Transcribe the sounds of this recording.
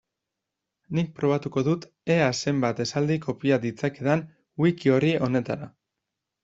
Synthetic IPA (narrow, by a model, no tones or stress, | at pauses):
nik̚pɾo̞βat̪uko̞ðut̪ | e̞ase̞mbat̪e̞sald̪iko̞piad̪it͡sake̞ðan | wikio̞riʔo̞ne̞t̪aɾa